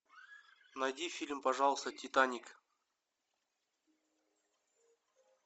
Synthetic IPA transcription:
nɐjdʲifʲilʲmpɐʐɑlˠst̪ətʲit̪anʲik

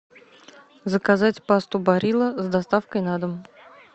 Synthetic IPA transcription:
zəkazatʲpast̪ʊbɐɾʲilˠəzd̪ɐst̪afkəjnad̪əm

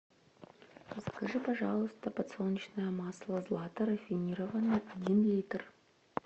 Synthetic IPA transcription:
əskɐʐɨpɐʐɑlˠʊst̪əpɐt̪solˠnʲit͡ɕnəjəmɑslˠəzlˠat̪əɾəfʲinʲiɾəvənːɨadʲinlʲejt̪r

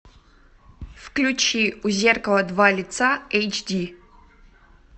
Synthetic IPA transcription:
fklʲut͡ʃʰiuzʲerkəlˠɐd̪valʲit̪sʰaejt͡ʃdi

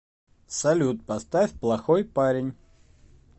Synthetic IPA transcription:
sɐlʲut̪̚pɐst̪afʲplˠɐxojpaɾʲɪnʲ

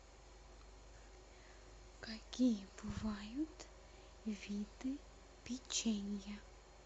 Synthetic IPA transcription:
kakipuvajut̪ | vit̪ɨ | pit͡ʃeɲja

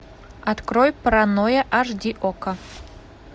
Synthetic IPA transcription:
at̪kɾojpɾanojɐʔaʐd̪ʲiʔokɐ

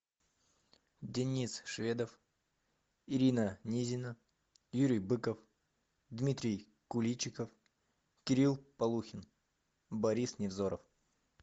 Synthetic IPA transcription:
dʲɪnʲisʂvʲed̪əf | ɪɾʲinənʲizʲɪnə | juɾʲɪjbɨkəf | d̪mʲit̪ʲɾʲɪj | kʊlʲit͡ɕːɪkəf | kʲɪɾʲilˠpɐlˠuxʲɪn | bɐɾʲisnʲɪvzoɾəf

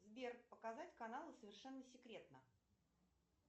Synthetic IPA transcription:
zbʲerpəkazatʲkɐnalˠəsəvʲɪrʂɛnːəsʲɪkɾʲe̞t̪̚nə

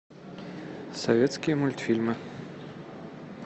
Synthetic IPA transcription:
sovʲet̪skʲijɛmulʲt̪filʲmɨ

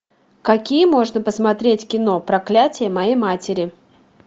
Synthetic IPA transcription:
kɐkʲijəmo̞ʐnəpəsmɐt̪ɾʲetʲkʲɪno̞pɾɐklʲætʲɪjəmɐjejmatʲɪɾʲɪ

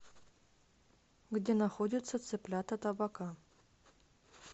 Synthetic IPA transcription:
ɡdʲe̞nɐxodʲɪt̪sət̪sɨplʲat̪ət̪ɐbaka

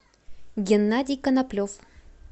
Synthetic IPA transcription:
ɡʲɪnːadʲɪjkɐnɐplʲof

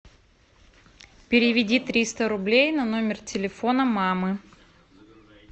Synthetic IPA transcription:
pʲɪɾʲɪvʲɪdʲit̪ɾʲist̪əɾʊblʲejnɐno̞mʲɪrtʲɪlʲɪfo̞nəmamɨ

